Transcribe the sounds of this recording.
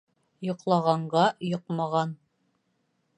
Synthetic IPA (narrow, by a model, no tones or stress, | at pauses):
jŏqlˠɑʁɑɴɢɑjŏqmɑʁɑn